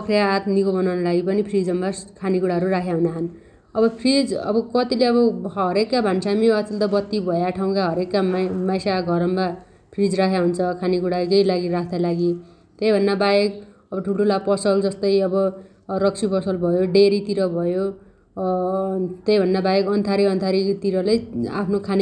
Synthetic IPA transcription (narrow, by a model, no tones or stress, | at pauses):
pʌkʰrejaːt̪nikobʌnawnʌlaɡipʌnipʰrid͡zʌmbakʰanikuɽaɦʌɾurakʰjaɦunaɦʌn | ʌbʌpʰrid͡zʌ̰bʌkʌt̪ileʌbʌɦʌɾekːabʱansamiʌʌnt̪ʌbʌt̪ːibʱʌjaʈʰaw̃kaɦʌɾekːamajsaɡʱʌɾʌmba | pʰrid͡zrakʰjaɦunt͡sʰʌkʰanikuɽakʌjlaɡiɾakʰd̪alaɡi | t̪ʌjbʱʌnːabajek | ʌbʌʈʰuʈʰulapʌsʌld͡zʌst̪ʌjʌbʌ | rʌkt͡sʰipʌsʌlbʱʌjoɖeɾit̪iɾʌbʱʌjo | t̪ʌjbʱʌnːabajekʌnt̪ʰaɾiʌnt̪ʰaɾit̪iɾʌleja̰pʰnokʰan